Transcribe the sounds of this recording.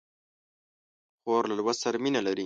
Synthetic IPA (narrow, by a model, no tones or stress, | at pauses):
xoɾlalwasaɾaminalaɾi